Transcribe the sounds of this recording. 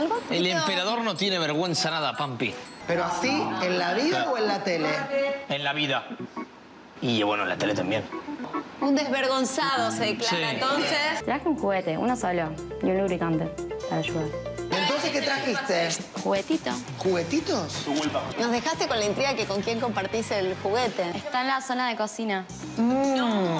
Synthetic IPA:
alɣoelempeɾaðo̞ɾnot̪jene̞β̞eɾɣwe̞nsanaðapampipeɾoasienlaβiðaoenlat̪eleenlaβiða | iβwḛnoḛnla̰t̪elet̪a̰mbjen | und̪ezβeɾɣo̞nsaðoseklsaint̪onsest̪ɾaxeuŋxuɣet̪eʔṵnasaʎalunluβɾikant̪epaɾaʃuðaɾent̪onsesket̪ɾaxist̪exuɣet̪it̪o̰ | xuɣet̪it̪oswolpanozðe̞xast̪eko̞nlaint̪ɾiɣakeko̞ŋkje̞ŋko̞mpaɾt̪iselxuɣet̪eest̪aenlaso̞naðeko̞sina | u

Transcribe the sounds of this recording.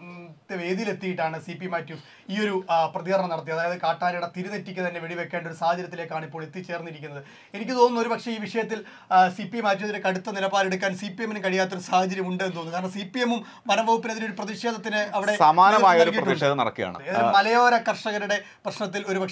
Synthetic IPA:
t̪ːeʋe̞ːd̪ijile̞t̪ːijiʈːaːɳɨsipːimaːtːjum | iːo̞ɾuprɐðiɣɐɾɐɳɐmnɐɽɐt̪ːiɐðaːjɐðɨkaːʈːaːɾiɽɐt̪iɾunetːikʲːɨt̪ɐnːe̞ʋeɽiʋe̞kːeːɳɖoɾusaːhɐt͡ɕɐɾjɐt̪ːile̞ːkːaːɳipːoːɭet̪ːit͡ɕe̞ːrnːiɾikʲːunːɐðɨ | e̞nik̬ʲːɨt̪o̞ːnːnːɐo̞ɾupɐkʂe̞iːʋiʂɐjɐt̪ːil | sipːijmaːt̬ːuoðuɾekɐɽut̪ːɐnilɐbaːleɽukːaːnsipijeminkɐɻijaːt̪ːo̞ɾusaːhɐt͡ɕɐɾjɐmuɳɖɨend̪oːnːɨkaːɾɐɳɐmsipːijemum | ʋɐɾɐmʋɐɣupːinɐðinoɾuprɐðiʂeːd̪ɐt̪ːinɨɐʋiɽe̞sɐmaːnɐmaːjɐɐoɾkiiɐːuieːðɐnɐ̰ɽɐ̰kːija̰ːɳ̰eðmɐlɐjoːɾɐkɐrʂɐɣɐɾuɽe̞ | prɐɕɳɐt̪̬ːilo̞ɾupɐkʂ

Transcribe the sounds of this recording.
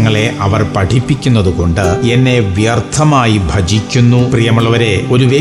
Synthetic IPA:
ŋːɐɭe̞ʔɐʋɐrpɐʈʰipːikʲːunːɐðuko̞ɳɖɨe̞nːe̞ʋjɐrt̪ʰːɐmaːjibʱɐd͡ʑikʲːunːuprijɐmuɭːɐʋɐɾe̞o̞ɾuʋeː

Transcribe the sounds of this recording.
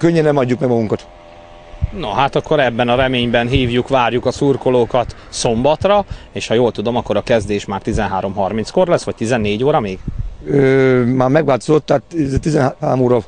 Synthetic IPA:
køɲːɛnɛmɒɟːukmɛɡmɒɡuŋkɒt̪ | noɦaːt̪ɒkːo̞ɾɛbːɛnɒɾɛmeːɲbɛnɦiːvjukʋaːrjukɒsurkoloːkɒt̪ | so̞mbɒt̪rɒeːʃhɒjoːlt̪ud̪o̞mɒkːo̞ɾɒkɛzd̪eːʃmaːrt̪izɛnɦaːɾo̞mɦɒrminsko̞rlɛsːʋɒc̚t̪izɛnːeːɟoːɾɒmeːɡ̥øːmaːrmɛɡʋaːlt̪ozot̪ːaat̪zɛt̪izɛnɦhaːɾomoːɾɒ

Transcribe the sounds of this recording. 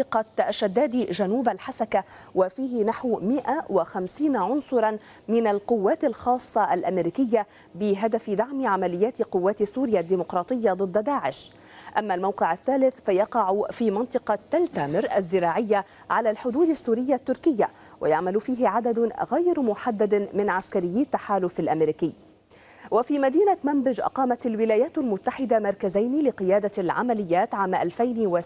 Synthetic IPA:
ɑqɑʃːad̪ːaːd̪iʒanuːbalħasakawafiːhɪnaħwmɪʔawaxamsiːnaʕʊnsˤʊɾˤɑn | mɪnalqʊwːaːt̪alxɑːsˤːɑʔalʔamɪɾiːkɪjːa | bɪɦad̪afɪd̪aʕmɪʕamalɪjːaːt̪qʊwːaːt̪sːuːɾɪjad̪ːiːmʊqɾˤɑːt̪ˤɨjːad̪ˤɨd̪ˤːad̪aːʕɪʃ | ʔamːalmawqɪʕaθːaːlɪθfajɑqɑʕʊfiːmɑnt̪ˤɨqɑt̪ːalt̪amɪɾʔazːɪɾɑːʕɪjːa | ʕalaːlħʊd̪uːd̪asːuːɾɪjːat̪ːʊɾkɪjːa | wa̰jaʕmalfiːɦɪʕad̪ad̪ɣajɾmʊħad̪ːad̪mɪnʕaskaɾɪjːiːt̪ːaħaːlʊfalʔamɪɾiːkɪː | wafiːmad̪iːnamambɪd͡ʒʔɑ̰qɑːmat̪alwɪlaːjaːt̪almʊt̪ːaħɪd̪amɑɾˤkazajnɪlɪqɨjaːd̪alʕa̰malɪjːaːt̪ʕaːmʔalfajnwa

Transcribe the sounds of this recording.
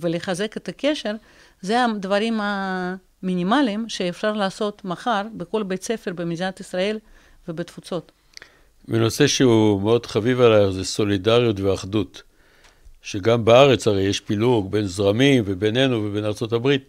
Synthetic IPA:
veleχaze̞ket̪ake̞ʃeʁ | zead̪vaɾima | minimalimʃeːfʃaʁlaːso̞t̪maχaʁbeko̞lbet͡se̞feʁbemizat̪isʁae̞l | vebet̪fut͡so̞t̪ | beno̞se̞ʃeumeo̞d̪χavivalaeχzeso̞lidaʁjut̪veaχd̪ut̪ | ʃeɡambeaʁe̞t͡shaʁejeʃpiluɡbe̞nzʁamimvebenenuvebenaʁt͡so̞t̪abʁit̪

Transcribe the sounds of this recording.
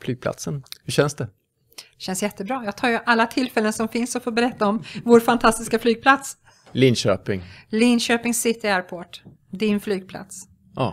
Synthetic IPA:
flyːɡ̚pʰla̰t̪sənhɵɕɛnsd̪ɛ | ɕɛnsjɛt̪ːəbɾɑːjɑːɡ̚t̪ʰɑːɾjɵʔalːat̪ʰɪlfɛlːənsɔmfɪnsɔfoːbɛɾɛt̪ːaɔmvoːɾfant̪ʰast̪ɪskaflyːɡ̚pʰlat̪s | lɪnɕø̰ːpɪŋlɪnɕøːpɪŋsɪt̪ːɪæːɾpʰoːʈ | d̪ɪnflyːɡ̚pʰla̰t̪s | ɑ̰

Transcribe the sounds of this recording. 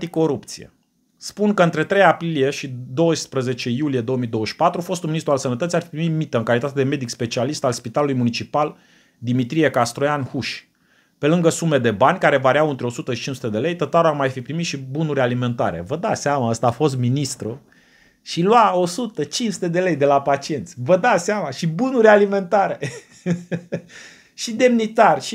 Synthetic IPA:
t̪iko̞ɾupt̪siḛ | spunkəɨnt̪ɾe̞t̪ɾe̞japɾilije̞ʃid̪o̞əspɾəze̞t͡ʃe̞julije̞d̪o̞omijd̪o̞wəʃpat̪ɾufo̞st̪unminist̪ɾualsənət̪ət̪siarfipɾimit̪mit̪əɨŋkalit̪at̪e̞d̪e̞me̞d̪ikspe̞t͡ʃialist̪alspit̪alulujmunit͡ʃipal | d̪imit̪ɾije̞kast̪ɾojanhuʃʲ | pe̞lɨŋɡəsume̞d̪e̞banʲkaɾe̞vaɾiawɨnt̪ɾeo̞sut̪əʃit͡ʃinsut̪ed̪e̞le̞jt̪ət̪aɾoarmajfipɾimit̪ʃibunuɾʲalime̞nt̪a̰ɾe̞̰vəd̪aseamaəst̪aːfo̞st̪minist̪ɾu | ʃilwao̞sut̪ət͡ʃinsu̥t̪e̞d̪e̞le̞jd̪e̞lapat͡ʃie̞nt̪sʲvəd̪aseamaʃibunuɾʲalime̞nt̪aɾe | ʃid̪e̞mnit̪arʲʃi

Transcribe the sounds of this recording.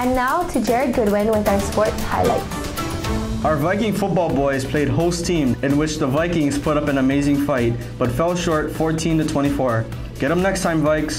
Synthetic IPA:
ɨ̃nːaʊtʰɨd͡ʒɛɹɨd̚ɡʊd̚wɪ̃nwɪðaʊə˞spɔɹtsha̰ɪla̰ɪts | ʔaʊə˞vaɪkɪ̃ŋfʊt̚b̥ɔlˠbɔɪz̥pʰl̥eɪd̚hoʊstʰĩmɨ̃nwɨt͡ʃðəvaɪkɪ̃ŋz̥pʰʊɾʌpɨ̃nɨmeɪzɪ̃ŋfaɪt̚ | b̥ʌtfɛlˠʃɔɹtfɔɹtʰĩntɨtʰw̥ɛ̃ɾ̃ifɔɹ | ɡ̥ɛɾə̃mnɛkstʰãɪ̃ɱvaɪks

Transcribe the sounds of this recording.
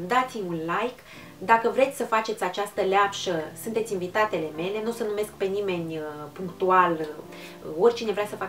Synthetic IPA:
d̪at̪simʲunlajk | d̪akəvɾe̞t̪sʲsəfat͡ʃe̞t̪sʲat͡ʃast̪əleapʃəsunt̪esʲinvit̪at̪e̞le̞me̞le̞nusənume̞skpe̞nime̞nʲpuŋkt̪ual | o̞rʲt͡ʃine̞ɾeasəfa

